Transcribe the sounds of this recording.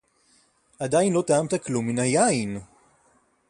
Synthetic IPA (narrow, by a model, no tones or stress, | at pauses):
ʔad̪ajinlo̞t̪aamt̪aklumːinajain